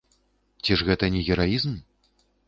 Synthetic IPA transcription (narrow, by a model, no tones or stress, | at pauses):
t͡sʲiʐɣɛt̪ɐnʲɛɣʲɛɾajizm